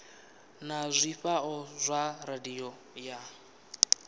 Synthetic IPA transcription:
nazʷiɸaɔzʷaradiɔ | ja

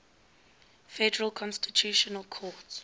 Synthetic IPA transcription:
fɛdəɹəlˠkʰɔ̃nstitʰjuʃɔnəlkʰɔt

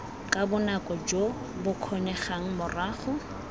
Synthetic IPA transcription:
kʼabʊnakʼɔd͡ʒo | bʊkʰɔnɛχaŋ̩mʊraːχʊ

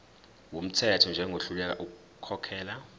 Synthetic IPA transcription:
wom̩tʰɛtʰɔnd͡ʒʱɛŋʱoɬulɛk̬a̰ʔuk̬u | kʰɔkʰɛːla

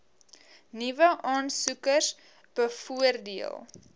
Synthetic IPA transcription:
nivəʔɑːnsukəs | b̥əfuərdiə̰lˠ

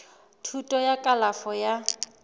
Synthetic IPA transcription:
tʰutʼɔjakʼalafɔja

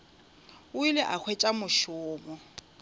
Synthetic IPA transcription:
ʊilɪʔak͡xʰwɛt͡ʃʼamʊʃʊːmɔ

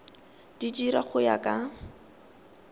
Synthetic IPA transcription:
d̥id͡ʒiɾaχʊja̰kʼa

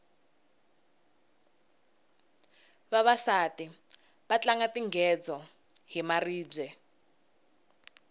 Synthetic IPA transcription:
βaβasati | βat͡ɬaŋatiŋɡɛd͡zɔ | ɦimariːb͡ʐɛ

